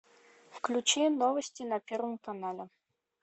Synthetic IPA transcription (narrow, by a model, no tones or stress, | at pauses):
fklʲut͡ɕɛnɔvɐsʲtʲinɐpʲɛɾvɨmkanalʲɛ